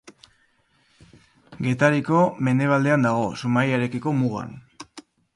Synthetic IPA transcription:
ɡe̞t̪aɾiko̞me̞ne̞β̞ald̪e̞and̪aɣ̞o̞sumajeɾe̞kiko̞muɣa̰n

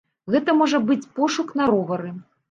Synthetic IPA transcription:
ɣɛt̪ɐmɔʐɐbɨt͡sʲpɔʂukn̪ɐɾɔvɐɾɨ

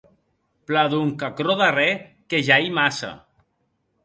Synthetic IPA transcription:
plaðuŋkakɾoðare | keʒajmasa̰

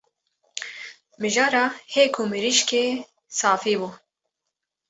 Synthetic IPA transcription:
mɪʒɑːɾɑːheːkʰumɪɾiʃkeː | sɑːfiːbu

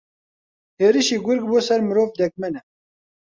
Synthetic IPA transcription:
heːɾiʃiːɡʊɾɡ̚boːsɛɾmɨɾoːvd̪ɛk̚mɛnɛ

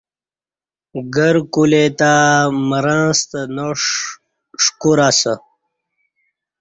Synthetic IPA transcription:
ɡəɾkulet̪aməɾãːst̪ənoʂ | ʂkuɾasə

